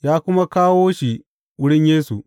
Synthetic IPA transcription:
jaː˦kʷʊ˦ma˦kaː˦woː˦ʃi˨ | wʊ˦ɽɪ˦ɲjeː˦su˨ʔ

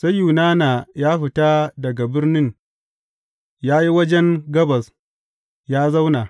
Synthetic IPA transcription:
sa˦jju˨naː˦na˨jaː˦ɸɪ˨ta˦dɐ˨ɡa˨bɪ˦rnɪ˦n | jaː˦ji˦wɐ˦d͡ʒɛ˦ŋɡɐ˦bɐ˨s | jaː˦za˦wnaː˨

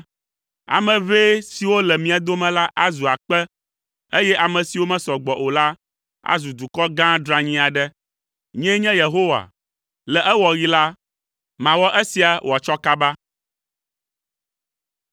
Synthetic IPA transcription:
a̰˨mɛ̃˨ve˦si˨wo˦lɛ˨mĩ˨a˨d̪o˦mɛ̃˨la˦ʔa˦zu˨a˨k͡pɛ˦ | e˦jɛ˦ʔa˨mɛ̃˨si˨wo˦mɛ̃˦sɔ˨ɡ͡bɔ˨ʔo˨la˦ | a̰˦zu˨d̪u˨kɔ˦ɡã˦ɖɾã˨ɲĩ˦a˨ɖɛ˦ | ɲɛ̃˦ɲɛ̃˦je˨ɦo˦wa̰˨ | lɛ˨ʔɛ˦wɔ˨ɣi˦la˦ | mã˨wɔ˦ʔɛ˦si˨a˨wʔa˨t͡ʃɔ˦ka˦ba˦

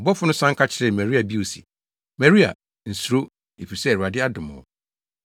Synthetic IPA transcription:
ɔ˨bɔ˦fʊ˦nʊ̃˦sã˦ŋ̩˦kʰa˦t͡ɕʰɪ˦ɾɪ˨mɛ̃˨ɾi˦a˨bi˦o˨si̥̰˨ | mɛ̃˨ɾi˦a̰˨ | n̩˨su˨ɾo˦ | e˨fi˨sɛ˦˨ɾu˨a˨dɪ˦a˦dʊ̃˨mʊ̰̃˨˦

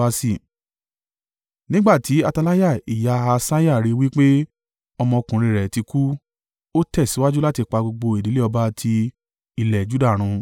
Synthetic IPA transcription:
a˧si˦˨ | nĩ˦ɡ͡ba˦˨ti˨˦a˧ta˧la˦ja˦˨i˨ja˧a˧sa˦ja˦˨ɾi˧wi˦k͡pe˦ | ɔ˧mɔ̃˧kũ˨ɾ̃ĩ˧˨ɾɛ˨ti˧ku˦ | o˦tɛ˦˨si˨˦wa˦d͡ʒu˦la˦ti˧k͡pa˧ɡ͡bo˧ɡ͡bo˧e˨di˨˦le˦ɔ˧ba˦tʰi˧ | i˨lɛ˨d͡ʒu˦da˦˨ɾ̃ũ˧

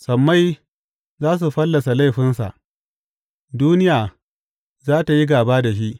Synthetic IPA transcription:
sɐ˨mːa˦j | zaː˦s̬u˨ɸɐ˦lːɐ˨sa˨la˦jɸɪ˦nsa̰˨ʔ | duː˦nɪ˦jaː˨ | zaː˦ta˨ji˦ɡaː˨baː˦da˨ʃ̬i˦ʔ

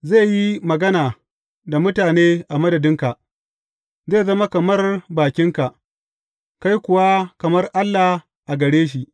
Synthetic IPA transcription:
zeː˦˨ji˦mɐ˨ɡɐ˦naː˨ | da˨mʊ˦taː˨neː˦ʔa˨mɐ˦dɐ˨dɪ˦ŋka˨ʔ | zeː˦˨zɐ˦ma˦kɐ˨mɐ˦rbaː˨kʲɪ˦ŋka˨ʔ | ka˦jkʷʊ˨wa˦kɐ˨mɐ˦rʔa˦lːa˨ | ʔa˨ɡɐ˨ɽeː˦ʃ̬i˨ʔ

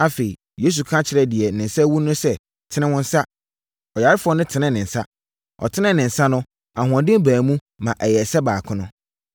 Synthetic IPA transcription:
a˦fe˨i˨ | je˦s̬u˨kʰã˦t͡ɕʰɪ˨ɾɛ˨dɪ˨ɛ˨nɪ̃˨n˨sɛ˦wũ˦nʊ̃˦sɛ˦ | tʰɪ˦nɪ̃˦wʊ̃˦n̩˦sa˦ | ɔ˨ja˨ɾɪ˦fʊ˦ɔ˦nɪ̃˦tʰɪ˨nɪ̃˦˨nɪ̃˨n̩˨sa˦ | ɔ̰˨tʰɪ˦nɪ̃˦nɪ̃˨n̩˨sa˦nʊ̃˦ | a˨ɦʊ̃˨ã˨ndɪ̃˦m˦bæː˨mũ˦ | mã˨ʔɛ˨jɛ˨sɛ˦baː˨kʰʊ̃˦nʊ̃˦

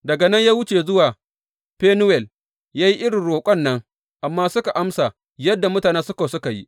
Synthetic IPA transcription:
dɐ˨ɡa˨nɐ˦ɲjaː˦wʊ˦t͡ʃeː˨zʊ˦waː˨ | ɸeː˦nʊ˦wɛ˨l | jaː˦ji˦ʔɪ˦ɽɪ˨ɽoː˨kʷʼɔ˦˨nːɐ˦ŋ | ʔa˨mːaː˦sʊ˦ka˨ʔa˦msa˨ | jɐ˦dːa˨mʊ˦taː˨neː˦sʊ˦ka˨sʊ˦ka˨jḭ˦ʔ

